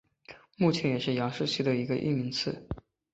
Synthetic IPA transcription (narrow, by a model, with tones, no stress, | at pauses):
mu˥˩t͡ɕʰjɛ˧˥njɛ˨˩ʂɻ̩˥˩jɑ˧˥ŋʂɻ̩˥˧t͡ɕʰy˥˩d̪ə˩i˧˥ɡə˧ʔḭ˥˩mi˧˥ŋt͡sʰɹ̩˥˩